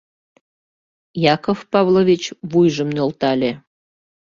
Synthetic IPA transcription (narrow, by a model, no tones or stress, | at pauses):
jɑkofpɑvlovʲit͡ɕβujʒəmnolt̪ɑlʲe